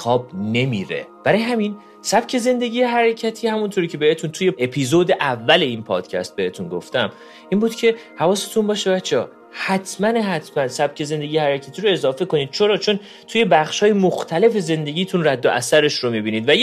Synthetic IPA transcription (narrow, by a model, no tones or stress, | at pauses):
xɒːb̚ne̞miːɾḛb̥æɾɒːjeɦæmin | sæb̥cʰe̞ze̞nd̪e̞ɟʲiːjeɦæɾecʰæt̪ʰiːhæmunt̪ʰoɾiːcʰe̞behet̪ʰunt̪ʰuje̞epʰiːzod̪eʔævːæle̞iːnpʰɒ̰ːd̪̥cʰæ̰st̪̚be̞he̞t̪unɡo̞̰ft̪æm | iːnbuːd̪cʰe̞hævɒːse̞t̪ʰunbɒːʃe̞bæt̪t͡ʃʰːeɒː | hæt̪ʰmæneɦæt̪ʰmænsæb̥̚cʰe̞ze̞nd̪eɟijehæɾecʰæt̪ʰiːɾo̞e̞zɒːfe̞ko̞niːd̪̥̚t͡ʃʰo̞ɾɒːt͡ʃʰo̞n | t̪ʰuje̞bæχʃhɒːjemoxt̪ʰæle̞fe̞ze̞nd̪e̞ɟʲiːt̪ʰunræd̪ːo̰ʔæ̰sæɾe̞ʃɾomibiːniːd̪væj